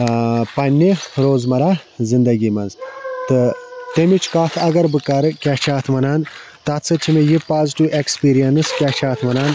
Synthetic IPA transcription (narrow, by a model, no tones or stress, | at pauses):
pɐnʲːiɾoːzmɐɾaːzind̪ɐɡʲimɐnzt̪ɨt̪emit͡ʃʰkaːfʰɐɡɐɾbɨkɐɾɨkʲat͡ʃʰaːt̪ʰʋɐnaːn | t̪at̪t͡sʰɐt͡ʃʰimejipaːziʈiʋʔekspiːɾijɐnɨskʲat͡ʃʰaːt̪ʰʋɐnaːn